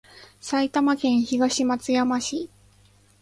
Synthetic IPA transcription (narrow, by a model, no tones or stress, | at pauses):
sait̪amakẽ̞ɰ̃çiɡaɕimat͡sɨjamaɕi